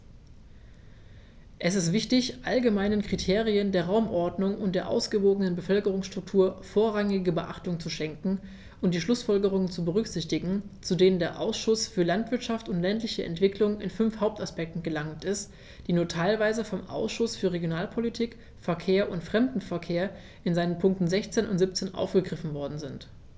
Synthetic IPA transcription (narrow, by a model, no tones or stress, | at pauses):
ʔɛsɪstv̥ɪçtɪçʔalɡəmaɪnənkʁ̥itʰeːʁiəndeːɐʁaʊmʔɔɐdnʊŋʊnt̚d̥eːɐʔa̰ʊsɡ̥əvoːɡənənbəfœlkəʁ̞ʊŋsʃtʁ̥ʊk̚tʰuːɐfoːɐʁaŋɪɡəbəʔa̰χtʊŋt͡suʃɛŋkŋ̩ | ʔʊnt̚d̥iːʃlʊsfɔlɡəʁ̞ʊŋənt͡subəʁ̞ʏçz̥ɪçtɪɡŋ̩t͡sudeːnəndeːɐʔa̰ʊsʃʊsfyːɐlantv̥ɪɐtʃaftʊntlɛntlɪçəʔɛ̰ntv̥ɪklʊŋɪnfʏnfhaʊp̚taspɛk̚tn̩ɡəlaŋtɪst | d̥iːnuːɐtʰaɪlvaɪzəfɔmʔa̰ʊsʃʊsfyːɐʁeɡjonaːlpʰolitʰiːk | fɛɐkʰeːɐʔʊntfʁ̥ɛmdn̩fɛɐkʰeːɐ | ʔɪnzaɪnənpʰʊŋk̚tn̩zɛçt͡seːnʔʊ̰ntz̥ɪp̚t͡seːnʔa̰ʊfɡ̥əɡʁɪfn̩vɔɐdn̩zɪnt